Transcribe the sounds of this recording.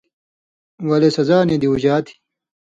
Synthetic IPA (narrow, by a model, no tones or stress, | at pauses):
wɐlesɐzaːned̪iud͡ʑaːt̪ʰi̥